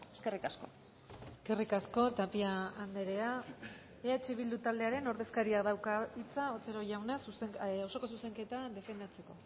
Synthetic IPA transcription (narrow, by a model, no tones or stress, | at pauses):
eske̞rikasko̞ | eske̞rikasko̞t̪apiaːnd̪e̞ɾe̞a | eat͡ʃiβ̞ild̪ut̪ald̪e̞aɾe̞no̞ɾðe̞skaɾiaðawkait͡saot̪eɾo̞ʝawnesuseŋoso̞ko̞s̬use̞ŋke̞t̪ad̪e̞fe̞nd̪at͡se̞ko̞